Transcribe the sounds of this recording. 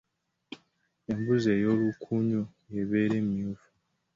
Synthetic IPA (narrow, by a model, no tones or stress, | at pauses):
e̞mbuze̞jo̞ːlukʰuɲojeβeːɾe̞ːmijuvu̥